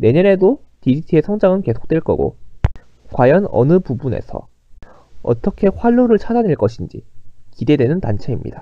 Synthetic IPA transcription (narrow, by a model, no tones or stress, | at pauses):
ne̞ɲʌɾe̞dotid͡ʑitʰie̞sʰʌŋd͡ʑaŋɯnke̞sʰo̥k̚t͈weɭk͈ʌ̰ɡo̰ | kwajʌnʌ̰nɯpubune̞̰sʰʌ̰ | ʌ̰t͈ʌkʰe̞ɸwaʎːoɾɯɭt͡ɕʰadaneɭk͈ʌɕʰind͡ʑḭkide̞dwe̞nɯntant͡ɕʰe̞imɲḭda